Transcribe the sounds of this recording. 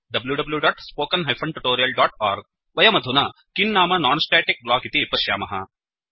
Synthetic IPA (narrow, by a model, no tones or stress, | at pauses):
ɖɐbljuɖɐbljuɖaːʈspoːkɐnɦɐjfʰɐɳʈuʈoːɾijɐlɖaːʈaːɾɡ̚ | ʋɐjɐmɐd̪ʱunɐkinːaːmɐnaːnsʈeːʈik̚blaːkit̪ipɐʃjaːmɐɦɐ̰